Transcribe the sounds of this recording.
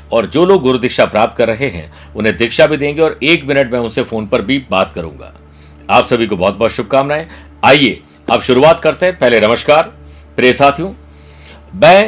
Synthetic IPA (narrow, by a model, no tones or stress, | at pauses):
ɔːɾd͡ʒoːloːɡːʊɾʊd̪ɪkʃapɾaːp̚t̪kɐɾːɐɦeɦɛ̰̃ | ʊnɦẽd̪ɪkʃabʱid̪ẽːŋɡeɔːɾeːkmɪnəʈmɛ̃ʊ̃nsefoːnpɐɾbʱibaːt̪kɐɾṵ̃ːŋɡa̰ː | aːpsɐbʱikobɔɦːt̪̚bɔːt̪ʃʊb̚ʱkaːmnaɦɛ̃ | aːieː | ɐpʃʊɾuaːt̪kɐɾt̪eɦɛ̃pɛɦlenɐməʃkaːɾ | pɾeːsaːt̪ʰjũː | mɛ̃ː